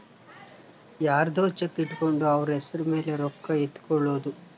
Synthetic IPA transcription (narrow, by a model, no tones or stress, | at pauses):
jaːɾɐd̪oːt͡ʃekːiʈːukoɳɖuɐʋɐɾuesɐɾume̞ːleɾɔkːɐet̪ːu̥kɔɭːoːd̪u